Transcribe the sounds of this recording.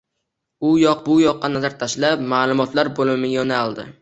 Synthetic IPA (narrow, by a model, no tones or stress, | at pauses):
ʊjɒq̚bʊjɒqːɑnazaɾt̪ʰaʃlapmaːlˠʊmɒt̪ʰlaɾbolˠɪmɪjɒnalˠd̪ɪ̰